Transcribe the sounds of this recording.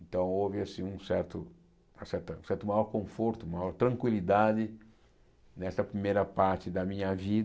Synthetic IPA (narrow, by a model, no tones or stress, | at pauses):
ẽnt̪ɐ̃w̃ovɪasĩũsɛɾt̪ʊ | ɐsɛɾt̪ɐũsɛɾt̪ʊmajɔɾkõfoɾt̪ʊumajɔɾt̪ɾɐ̃ŋkwilid̪ad̪ɪ | nɛst̪ɐpɾimejɾɐpaɾt͡ʃ̪ɪd̪ɐmĩɲɐvid̪